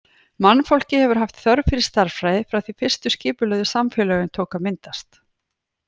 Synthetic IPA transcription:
manːfɔl̥cɪhɛvʏɾ̥ɦaft̪θœɾvfɪɾɪ̥st̪aɾ̥fɾajðɪfɾawθifɪr̥st̪ʏscɪːpʏlœːðʏsamfɛlœːɣʏnt̪ʰoːkamɪnt̪ast̪

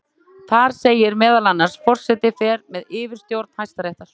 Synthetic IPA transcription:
θaɾ̥seːjɪɾmɛːðalanːaɾ̥sfɔr̥sɛt̪ɪfɛːɾmɛðɪːvɪɾ̥st̪jowɾt̪n̥hajst̪aɾejht̪aɾ̥

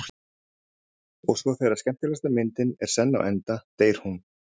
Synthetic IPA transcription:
ɔɣsvɔθejraɾ̥scɛm̥t̪ɪlast̪amɪnt̪ɪnɛɾ̥sɛnːa̰wʔɛnt̪at̪eːjɾ̥hun

